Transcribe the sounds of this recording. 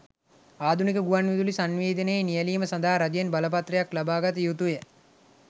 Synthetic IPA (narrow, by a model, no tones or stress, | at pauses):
aːd̪ʱunikəɡuʋanʋid̪ulisanʋeːd̪ənəjnijəliːməsɐnd̪aɦaɾad͡ʒjenbaləp̬at̪rɐjaklabaːɡat̪əjut̪ujə